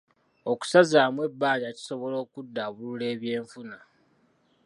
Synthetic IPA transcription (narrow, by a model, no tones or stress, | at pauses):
o̞ku̥sazaːmwe̞bːaːɲaci̥so̞βo̞lo̞ːkudːaβulule̞ːβje̞ːɱfuna